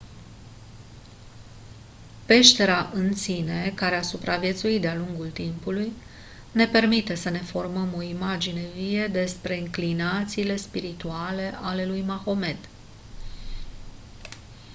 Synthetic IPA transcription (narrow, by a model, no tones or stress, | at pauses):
pe̞ʃt̪e̞ɾaʔɨnsine̞kaɾeasupɾavje̞t̪suit̪̚d̪ealuŋɡult̪impuluj | ne̞pe̞rmit̪e̞səne̞fo̞rməmo̞imad͡ʒine̞vied̪e̞spɾe̞ɨŋklinat̪siːle̞spiɾit̪uale̞ʔale̞lujmaxo̞me̞d̪